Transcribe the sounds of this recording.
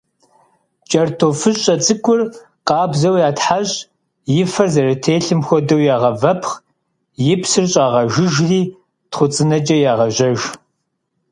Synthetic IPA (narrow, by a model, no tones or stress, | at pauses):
t͡ʃʼɐrtʰoːfɨɕʼɐt͡sʼɨkʷʰʼʊr | qɑːbzɐwjaːtħaɕʼ | jɪfɐrzɐrɐtʰeːɬɨmxʷɔdɐwjaːʁɐvɐpʰχ | jɪpʰsɨrɕʼaːʁɐʒɪʒriː | tχʷʊt͡sʼɨnɐt͡ʃʼɐjaːʁɐʑɐʒ